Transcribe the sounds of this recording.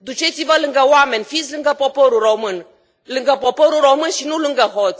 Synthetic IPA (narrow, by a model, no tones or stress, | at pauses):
d̪ut͡ʃet̪sivəlɨŋɡəwamenʲfitsʲlɨŋɡəpopoɾuɾomɨn | lɨŋɡəpopoɾuɾomɨnʃinulɨŋɡəɦot̪s